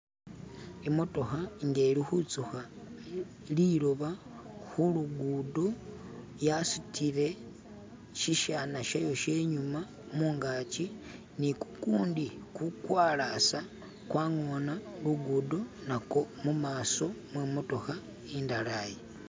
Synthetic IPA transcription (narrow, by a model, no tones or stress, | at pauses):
imo̞to̞xaŋɡelixut͡suxa | liloβaxuluɡuːdo̞ | jasu̥tʰiɾe̞ | ʃiʃanaʃajo̞ʃe̞ɲuma | muːŋɡaːt͡ʃi | niku̥kuːndikukwaːlasa | kwaːŋonaluɡuːdo̞nako̞mumaːso̞mwemo̞to̞xa | indalaje